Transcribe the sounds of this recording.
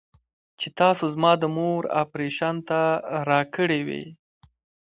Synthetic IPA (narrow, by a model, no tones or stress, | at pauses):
t͡ʃet̪ɑsozmɑd̪əmoɾa̰pɾeʃɑnt̪aɾɑkəɽewḛ